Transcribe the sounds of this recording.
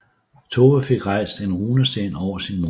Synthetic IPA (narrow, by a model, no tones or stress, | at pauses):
t͡sʰo̝ːʋæfe̝ɡ̥ʁɑ̈ɪ̰sd̥e̝nʁuːnəsd̥enɒʊ̰ɐsinmo